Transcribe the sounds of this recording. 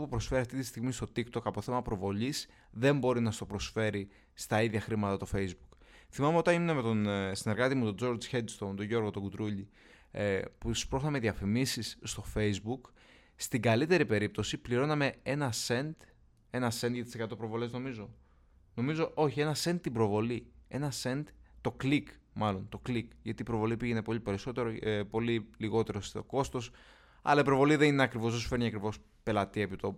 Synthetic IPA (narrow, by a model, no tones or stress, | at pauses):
opupɾosfe̞ɾiɐft̪it̪ist̪iɣmist̪o̞t̪ikt̪o̞kɐpo̞θemɐpɾo̞vo̞ʎis | ðe̞mbo̞ɾinɐst̪o̞pɾo̞sfe̞ɾi | st̪ɐiðʝɐxɾimɐt̪ɐt̪o̞fe̞jzbukθimɐme̞o̞t̪ɐnimneme̞t̪o̞nsine̞ɾɣɐt̪imut̪o̞d͡zo̞ɾd͡zçed̪st̪ont̪oʝo̞ɾɣo̞t̪oɡud̪ɾuʎi | put̪ispɾoxnɐmeðiɐfimisisːt̪o̞fe̞jzbuk | st̪iɡɐlit̪e̞ɾipe̞ɾip̚t̪o̞sipliɾo̞nɐme̞e̞nɐse̞nd̪ | e̞nɐse̞nd̪ʝɐt̪i̥sekɐt̪o̞pɾo̞vo̞le̞zno̞mizo̞ | no̞mizo̞ʔo̞çie̞nɐse̞nd̪̚t̪ːibɾo̞vo̞lie̞nɐse̞nd̪t̪o̞klik | mɐlo̞nt̪o̞klikʝɐt̪iːpɾo̞vo̞lipiʝe̞ne̞po̞ʎipe̞ɾiso̞t̪e̞ɾopo̞liliɣo̞t̪e̞ɾoso̞ko̞st̪o̞s | ɐ̰lɐipɾo̞vo̞liðe̞nineɐkɾivoosu̥feniɐkɾivo̞s | pe̞lɐt̪iepit̪o